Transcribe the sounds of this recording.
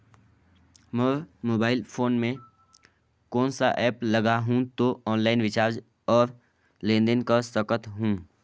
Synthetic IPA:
məmoːbaːɪlpʰoːnmẽ | kɔːnsaʔɛːplɐɡaɦũt̪oɔːnlaːɪnʋɪt͡ʃaːɾd͡ʒ | ɔːɾ | lẽːnd̪ənkasəkət̪ɦũ

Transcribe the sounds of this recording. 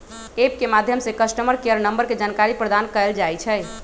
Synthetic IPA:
ep̚kemad̪ʱjəmsekəsʈəməɾkejəɾnəmbəɾked͡ʒankaɾipɾəd̪ankəɛld͡ʒajt͡ʃʰɛ

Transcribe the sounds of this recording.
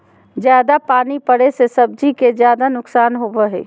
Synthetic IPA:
d͡ʒjaːd̪apaːnipəɽesesɐb̚d͡ʒikezjaːd̪anʊksaːnɦobəɦḛː

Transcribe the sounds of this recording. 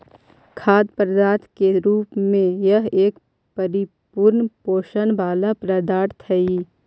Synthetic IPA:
kʰaːd̪pəɾd̪aːt̪ʰkeɾuːpmẽjəɦeːk | pəɾɪ | puɾnpoːʃənbaːlapɾəd̪aːɾt̪ʰɐi

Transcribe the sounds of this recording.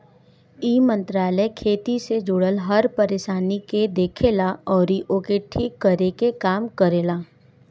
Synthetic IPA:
iːmə̃nt̪ɾaːləjkʰeːt̪ised͡ʒʊɽəlɦɐɾpəɾeːʃaːniked̪eːkʰelaɔːɾiʔokeʈʰikːəɾekekaːmkəɾeːlaː

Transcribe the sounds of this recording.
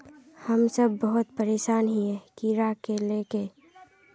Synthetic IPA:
hɐmsɐbːɐɦʊt̪̚pəɾeːʃaːnɦiɦɛkiɾakeleːke

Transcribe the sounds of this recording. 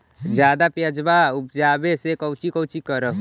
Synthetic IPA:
d͡ʒjaːd̪apjəd͡ʒbaʊpd͡ʒaːbesekəwt͡ʃikəwt͡ʃikəɾə

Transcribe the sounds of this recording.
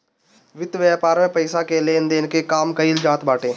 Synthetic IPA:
ʋɪd̪ʋɛːpaːɾə̃pəɪsakeleːnd̪eːnkekaːmkəild͡ʒaːt̪baːʈẽː

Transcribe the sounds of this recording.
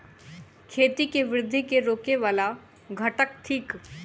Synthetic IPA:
kʰeːt̪ikeʋɾɪd̪ʱːikeɾoːkeʋaːla | ɡʱɐʈək̚ʈʰiːk

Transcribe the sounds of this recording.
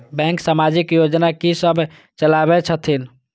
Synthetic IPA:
bɛ̃ŋksamad͡ʒikjod͡ʒnakisəbʱ | t͡ʃəlabɛt͡ʃʰət̪ʰin

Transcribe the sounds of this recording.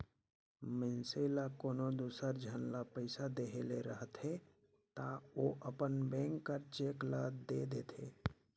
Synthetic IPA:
mənsəɪlakoːnod̪uːsəɾd͡ʒʱənlapəɪsad̪eɦeleɾəɦət̪ɦe | t̪aoʔəpənbɛ̃ŋkːəɾt͡ʃeklad̪ed̪eːt̪ḛ

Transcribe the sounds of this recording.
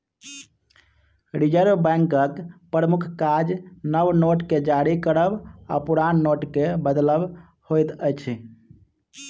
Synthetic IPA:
ɾid͡ʒəɾbbɛ̃ŋkəkpɾəmukʰkad͡ʒnəbnoʈked͡ʒaɽikəɾəba̰puɾanːoʈkebəd̪ləb | hojt̪əjt͡ʃʰɛ

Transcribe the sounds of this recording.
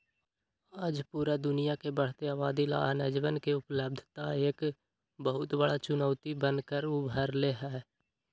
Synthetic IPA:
aːd͡ʒpuːɾad̪ʊnijakebəɽ̤t̪eaːbaːd̪ila̰ːnəd͡ʒʋənkeʊpləb̚d̪ʱt̪aeːk | bəɦʊt̪bəɽat͡ʃʊnəːt̪ibənkəɾʊbʱəɾleɦɛː

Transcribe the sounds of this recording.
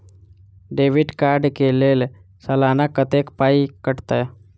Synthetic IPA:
ɖeːʋiʈkaɾɖkelel | səlanakːət̪ekpaikəʈt̪a

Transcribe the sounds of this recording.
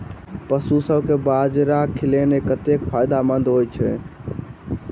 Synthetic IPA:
pəsusəbkebad͡ʒɾakʰilenekət̪ekpʰajd̪amənd̪ɦojt͡ʃʰɛ̰

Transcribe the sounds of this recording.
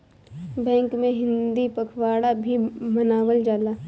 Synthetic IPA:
bɛ̃ːŋkmẽɦɪ̃nd̪ipɐkʰwaːɽabʱimɐnaːwəld͡ʒaːlaː

